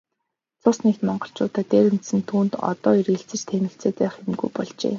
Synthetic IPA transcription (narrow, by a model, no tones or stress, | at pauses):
t͡sʰʊsnekt̪mɔɴɢɞ̆ɬt͡ɕʊːt̪aːt̪eːɾɘ̆m̥t̪sɘ̆nt̪ʰuːnt̪ɔ̰t̪ɔːireɬt͡sɘ̆t͡ɕt̪ʰenɘ̆ɬt͡seːt̪̚pæːχemɡujpɔɮt͡ɕḛː